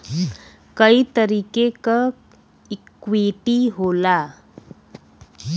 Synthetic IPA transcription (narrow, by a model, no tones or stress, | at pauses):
kəit̪əɾikeka | ikʋiʈiɦola